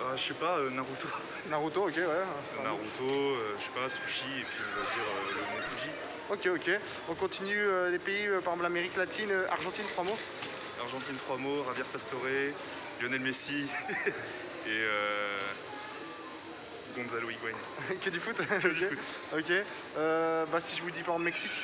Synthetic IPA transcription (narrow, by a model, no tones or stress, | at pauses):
aʃepaønaʁut̪o | naʁut̪ookʲewɛ | naʁut̪oøʃe̥pasuʃiepɥiɔ̃vad̪iʁølənɔ̃buʒi | okʲeokʲe | ɔ̃kɔ̃t̪inyølepeiøpaʁzɔ̃plameʁiklat̪ʰinøʔa̰ʁʒɑ̃t̪int̪χwamo | aʁʒɑ̃t̪int̪χwamoʁavjɛʁpast̪ɔʁe | ljɔnɛlmesi | eø | ɡ̪ɔ̃zaloiɡwɛɲ | kʲəd̪yfut̪e | okʲe | øbasiʒəvud̪ipaõmɛksikʲ